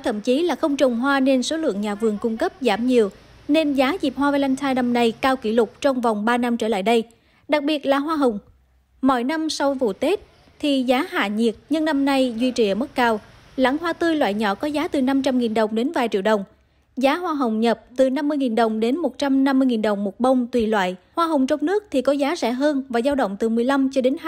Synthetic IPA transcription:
t̪ʰə̰˧˩mt͡ɕi˨˦laː˨˩xə˧wŋ͡mt͡ɕʊ˨˩wŋ͡mɦwaː˧ne˧nso˨˦lɨ̰˧˨əŋɲaː˨˩vɨ˨˩əŋkʊ˧ŋ͡mkə˦˥p̚zaː˧˩mɲi˨˩əw | ne˧nzaː˨˦zi˨˩p̚hwaː˧va˨˦la˧jŋt̪ʰaː˧jna˧mna˧jkaː˧wki˧˩lʊ˨˩k͡p̚t͡ɕɔ˧wŋ͡mva˨˩wŋ͡mɓaː˧na˧mt͡ɕəː˧˩la̰ː˧˨jɗə˧j | ɗa˨˩k̚ɓi˨˩ət̚laː˨˩ɦwaː˧ɦə˨˩wŋ͡m | mɔ̰˧˩˨jna˧msa˧wvṵ˧˨t̪e˦˥t̚ | t̪ʰi˨˩zaː˨˦ɦa̰ː˧˨ɲi˨˩ət̚ɲɨ˧ŋna˧mna˧jzwi˧t͡ɕi˨˩˨ʔəː˧˩mə˦˥t̚kaː˧w | la̰ː˧˥ŋhwaː˧t̪ɨ˧jlwa̰ː˧˨jɲɔ̰˧˩kɔ˨˦zaː˨˦t̪ɨ˨˩na˧mt͡ɕa˧mŋi˨˩nɗə˨˩wŋ͡mɗe˨˦nvaː˨˩jt͡ɕḭ˧˨əwɗə˨˩wŋ͡m | zaː˨˦ɦwaː˧ɦə˨˩wŋ͡mɲə˨˩p̚t̪ɨ˨˩na˧mːɨ˧əjŋi˨˩nɗə˨˩wŋ͡mɗe˨˦nmo˨˩t̚t͡ɕa˧mna˧mːɨ˧əjŋi˨˩nɗə˨˩wŋ͡mmo˨˩t̚ɓə˧wŋ͡mt̪wi˨˩lwa̰ː˧˨jhwaː˧ɦə˨˩wŋ͡mt͡ɕɔ˧wŋ͡mnɨ˦˥ək̚t̪ʰi˨˩kɔ˨˦zaː˨˦zɛ̰˧˩ɦəː˧nvaː˨˩zaː˧wɗə̰˧˨wŋ͡mt̪ɨ˨˩mɨ˨˩əjla˧mt͡ɕɔ˧ɗe˨˦n˧

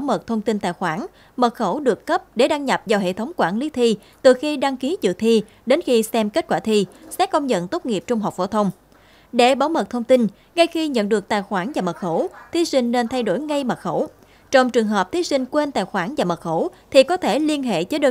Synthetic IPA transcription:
wmə˨˩k̚t̪ʰə˧wŋ͡mt̪i˧nt̪a̰ː˧˨jxwaː˧˩n | mə˨˩t̚xə˧˩wɗɨ˨˩əkːə˦˥p̚ɗe˧˩ɗaː˧ŋɲa˨˩p̚vaː˨˩wɦḛ˧˨t̪ʰə˨˦wŋ͡mkwaː˧˩nli˨˦t̪ʰi˧ | t̪ɨ˨˩xi˧ɗa˧ŋki˨˦t͡ɕɨ̰˧˨t̪ʰi˧ | ɗe˨˦nxi˧sɛ˧mke˦˥t̚kwaː˧˩t̪ʰi˧sɛ̰˨˦˥kə˧wŋ͡mzə̰˧˨nt̪o˦˥t̚ŋi˨˩əp̚t͡ɕʊ˧ŋ͡mɦa˨˩k͡p̚fo̰˧˩t̪ʰə˧wŋ͡m | ɗe˧˩ɓaː˨˦wmə˨˩t̚t̪ʰə˧wŋ͡mt̪i˧n | ŋa˧jxi˧ɲə̰˧˨nɗɨ˨˩ək̚t̪a̰ː˧˨jxwaː˧˩nvaː˨˩mə˨˩t̚xə˧˩wt̪ʰi˨˦sï˧ŋ̟ne˧nt̪ʰa˧jɗo˧˩jŋa˧jmə˨˩t̚xə˧˩w | t͡ɕɔ˧wŋ͡mt͡ɕɨ˨˩əŋɦəː˨˩p̚t̪ʰi˨˦sï˧ŋ̟kwe˧nt̪a̰ː˧˨jxwaː˧˩nvaː˨˩mə˨˩t̚xə˧˩wt̪ʰi˨˩kɔ˨˦t̪ʰe˧˩li˧ənɦḛ˧˨t͡ɕə˨˦ɗəː˧

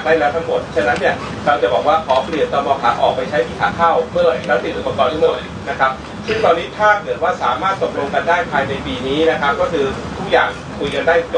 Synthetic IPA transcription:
k̚daː˥˩lɛː˦˥wt̪ʰa˦˥ŋmo˨˩t̪̚t͡ɕʰa˥nːa˦˥nːi˥˩ɐ | ɾa˧wt͡ɕa˨˩bɔː˨˩k̚waː˥˩kʰɔː˩˦pli˨˩ənt̪ɔː˧mɔː˧kʰa̰ː˩˥ʔɔː˨˩k̚pa˧jt͡ɕʰa˦˥jmiː˨˦˩t̪ʰa̰ː˩˦kʰaː˥˩wmɯ˥˩˨ɾa˦˥si˨˩ʔːpɐ˧kɔː˨˩nt̪ʰa˦˥mo˨˩t̪ | na˦˥kʰa˦˥p̚ | sɯ˥˩ŋt̪ɔː˧nːiː˦˥t̪ʰaː˥˩kɤ˨˩t̪̚waː˥˩saː˩˦maː˥˩t̪̚ːo˨˩p̚ɾo˧ŋka˧ndaː˥˩jpʰaː˧jna˧jpiː˧niː˦˥na˦˥kʰa˦˥p̚kɔː˥˩kʰɯː˧t̪ʰu˦˥k̚jaː˨˩ŋ | kʰu˧jka˧ndaː˥˩jt͡ɕ

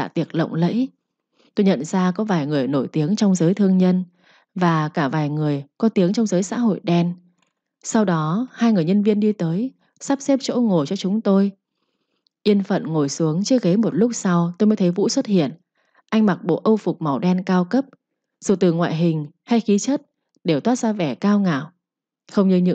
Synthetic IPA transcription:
a̰ː˧˩t̪i˨˩ək̚lə̰˧˨wŋ͡mlə̰˧˥j | t̪o˧jɲə̰˧˨nzaː˧kɔ˨˦vaː˨˩jŋɨ˨˩əjno˧˩jt̪i˨˦əŋt͡ɕɔ˧wŋ͡mzəː˨˦jt̪ʰɨ˧əŋɲə˧n | vaː˨˩kaː˧˩vaː˨˩jŋɨ˨˩əjkɔ˨˦t̪i˨˦əŋt͡ɕɔ˧wŋ͡mzəː˨˦jsa̰ː˧˥ɦo̰˧˨jɗɛ˧n | sa˧wɗɔ˨˦haː˧jŋɨ˨˩əjɲə˧nvi˧ənɗi˧t̪əː˨˦j | sa˦˥p̚sɛ˦˥p̚t͡ɕo̰˧˥ŋo˨˩jt͡ɕɔ˧t͡ɕʊ˨˦ŋ͡mt̪o˧j | ʔi˧ənfə̰˧˨nŋo˧˩jsu˨˦əŋt͡ɕɨ˦əɣe˨˦mo˨˩t̚lʊ˦˥k͡p̚sa˧wt̪o˧jmə˨˦t̪ʰə˨˦jvṵ˧˥swə˦˥t̚hḭ˧˨ən | ʔa˧jŋ̟ma˨˩k̚ɓo̰˧˨ʔə˧wfʊ˨˩k͡p̚ma˨˩wɗɛ˧nkaː˧wkə˦˥p̚ | z̥ɨ˨˩t̪ɨ˨˩ŋwa̰ː˧˨jɦï˨˩ŋ̟ha˧jxi˨˦t͡ɕə˦˥t̚ | ɗe˧˩wt̪waː˦˥t̚zaː˧vɛ˧˩kaː˧wŋa̰ː˧˩˨w | xə˧wŋ͡mɲɨ˧ɲɨ̰˧˥

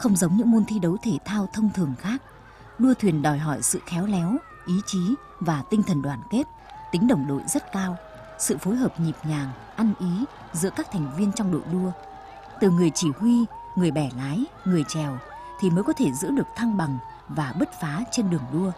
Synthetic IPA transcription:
xə˧wŋ͡mzə˨˦wŋ͡mɲɨ̰˧˥ŋmo˧nt̪ʰi˧ɗə˨˦wt̪ʰe˧˩t̪ʰaː˧wt̪ʰə˧wŋ͡mt̪ʰɨ˨˩əŋxaː˦˥k̚ | ɗu˧ət̪ʰwi˨˩ənɗɔ˨˩jɦɔ˧˩jsɨ̰˧˨xɛ˨˦wlɛ˨˦w | ʔi˨˦t͡ɕi˨˦ | vaː˨˩t̪ï˧ŋt̪ʰə˨˩nɗwaː˨˩nke˦˥t̚ | t̪ï˨˦ŋ̟ɗə˨˩wŋ͡mɗo̰˧˨jzə˦˥t̚kaː˧w | sɨ̰˧˨fo˨˦jɦəː˨˩p̚ɲi˨˩p̚ɲaː˨˩ŋ | ʔa˧nʔi˨˦ | zɨ̰˧˥əkaː˦˥k̚t̪ʰɛ˨˩jŋ̟vi˧ənt͡ɕɔ˧wŋ͡mɗo̰˧˨jɗu˧ə | t̪ɨ˨˩ŋɨ˨˩əjt͡ɕi˧˩hwi˧ŋɨ˨˩əjɓɛ˧˩laː˨˦j | ŋɨ˨˩əjt͡ɕɛ˨˩w | t̪ʰi˨˩məː˨˦jkɔ˨˦t̪ʰe˧˩zɨ̰˧˥ɗɨ˨˩ək̚t̪ʰa˧ŋɓa˨˩ŋ | vaː˨˩ɓə˦˥t̚faː˨˦t͡ɕe˧nɗɨ˨˩əŋɗu˧ə

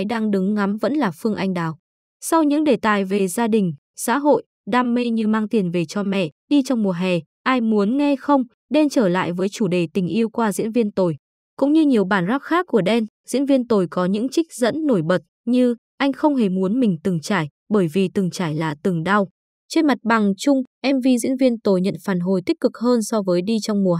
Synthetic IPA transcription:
a˨˦jɗaː˧ŋɗɨ˨˦ŋŋa˨˦mvə̰˧˥nlaː˨˩fɨ˧əŋʔa˧jŋ̟ɗaː˨˩w | sa˧wɲɨ̰˧˥ŋɗe˧˩t̪aː˨˩jve˨˩zaː˧ɗï˨˩ŋ̟ | sa̰ː˧˥ɦo̰˧˨j | ɗaː˧mːe˧jɲɨ˧maː˧ŋt̪i˨˩ənve˨˩t͡ɕɔ˧mɛ̰˧˨ɗi˧t͡ɕɔ˧wŋ͡mmu˨˩əɦɛ˨˩ | ʔaː˧jmu˨˦ənŋɛ˧xə˧wŋ͡m | ɗe˧nt͡ɕəː˧˩la̰ː˧˨jvəː˨˦jt͡ɕu˧˩ɗe˨˩t̪ï˨˩ŋ̟ʔi˧əwkwaː˧zḭ˧˥ənvi˧ənt̪o˨˩j | kʊ̰˧˥ŋ͡mɲɨ˧ɲi˨˩əwɓaː˧˩nzaː˦˥p̚xaː˦˥kkːu˧˩əɗɛ˧nzḭ˧˥ənvi˧ənt̪o˨˩jkɔ˨˦ɲɨ̰˧˥ŋt͡ɕï˦˥k̟̚zə̰˧˥nːo˧˩jɓə˨˩t̚ɲɨ˧ | ʔa˧jŋ̟xə˧wŋ͡mhe˧˩mu˨˦ənmï˨˩ŋ̟t̪ɨ˨˩ŋt͡ɕaː˧˩j | ɓəː˧˩jvi˨˩t̪ɨ˨˩ŋt͡ɕaː˧˩jlaː˨˩t̪ɨ˨˩ŋɗa˧w | t͡ɕe˧nma˨˩t̚ɓa˨˩ŋt͡ɕʊ˧ŋ͡mʔɛ˧mvi˧zḭ˧˥nvi˧ənt̪o˨˩jɲə̰˧˨nfaː˧˩nɦo˨˩jt̪i˦˥k̟̚kɨ˨˩k̚həː˧nsɔ˧vəː˨˦jɗi˧t͡ɕwŋ͡mmu˨˩ə

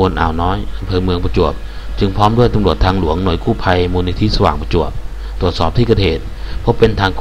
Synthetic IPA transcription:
u˧nʔa̰ː˨˩wnɔː˦˥jʔa˧mpʰɤː˧mɯ˧əŋpa˧t͡ɕu˨˩əp̚ | t͡ɕɯ˧ŋpʰɔː˦˥mdu˥˩əjt̪a˧˦mɾu˨˩ət̪ʰːaː˧ŋlu˩˦əŋnu˨˩˦jkʰuː˥˩pʰa˧jmuː˧ni˧t̪ʰi˦˥sa˧waː˨˩ŋpa˧t͡ɕu˨˩əp̚ | t̪ɾu˨˩ət̪̚sɔː˨˩p̚t̪ʰiː˥˩ka˧t̪heː˨˩t̪̚pʰɔ˦˥pe˧nt̪ʰaː˧ŋkʰ

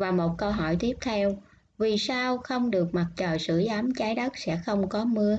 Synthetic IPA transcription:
vaː˨˩mo˨˩t̚kə˧ɦɔ˧˩jt̪i˦˥əp̚t̪ʰɛ˧w | vi˨˩saː˧wxə˧wŋ͡mɗɨ˨˩ək̚ma˨˩t̚t͡ɕəː˨˩jsɨ̰˧˥əza˨˦mt͡ɕaː˨˦jɗə˦˥k̚sɛ̰˧˥xə˧wŋ͡mkɔ˨˦mɨ˧ə

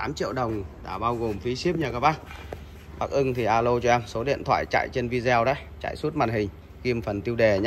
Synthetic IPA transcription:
t̪aː˨˦mt͡ɕḭ˧˨əwɗə˨˩wŋ͡mt̪a̰ː˧˩ɓaː˧wɣo˨˩mfi˨˦si˦˥əp̚ɲa˨˩kaː˧˩ɓaː˦˥k̚ | ɓaː˨˩k̚ʔɨ˧ŋt̪ʰi˨˩ʔaː˧lo˧t͡ɕɔ˧ʔɛ˧mso˨˦ɗḭ˧˨ənt̪ʰwa̰ː˧˨jt͡ɕa̰ː˧˨jt͡ɕe˧nvi˧zɛ˧wɗə˨˦j | t͡ɕa̰ː˧˨jsu˦˥t̚maː˨˩n̚ɦï˨˩ŋ̟ | ɣi˧mfə˨˩nt̪i˧əwɗe˨˩ɲ˦

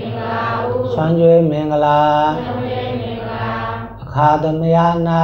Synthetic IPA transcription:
sã˧nd͡ʒo˦e˦mẽ˨ŋɡəla˦ | ə˨kʰaː˧d̪ə˨nəja˦na˦

